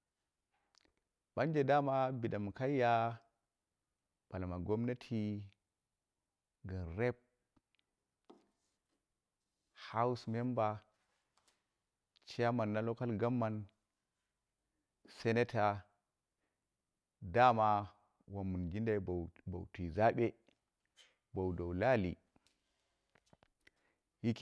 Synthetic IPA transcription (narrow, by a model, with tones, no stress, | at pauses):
ba˦nd͡ʒe˨da˦ma˦bi˨ɗa˨m˨ka˦ja˦ | b̥a˨la˨ma˨ɡo˦mna˦tʰi˦ | ɡə˨nɾe˦p̚ | ha˦u˦sme˦mba˨ | t͡ʃa˦ma˨nːa˦lo˦ka˦lɡa˦mːa˨n | se˦ne˦tʰa˨ | da˦ma˦ | wa˨mːu˨nɡi˦nda˦˨˦bo̰˨wti˨za˦ɓe˦ | ba˨wdo˨wla˦lḭ˨ | hi˦k